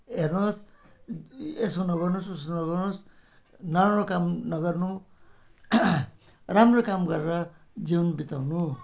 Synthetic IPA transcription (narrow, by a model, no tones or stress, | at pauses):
ɦernos | esonʌɡʌrnosusonʌɡʌrnos | naɾanokamnʌɡʌrnu | ramrokamɡʌɾeɾʌ | d͡ziwnbit̪awnu